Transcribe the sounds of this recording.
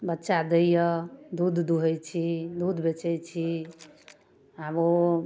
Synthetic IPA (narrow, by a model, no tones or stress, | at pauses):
bətːʃad̪əijəd̪ud̪ʱd̪uɦəjt͡ʃʰid̪ud̪ʱbet͡ʃəjt͡ʃʰi | abo